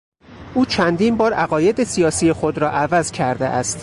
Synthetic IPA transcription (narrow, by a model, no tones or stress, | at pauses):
ʔuːt͡ʃʰænd̪iːnbɒːɾæɣɒːje̞d̪esijɒːsiːje̞xod̪ɾɒːʔævæzcʰæɾd̪ḛʔæ̰st̪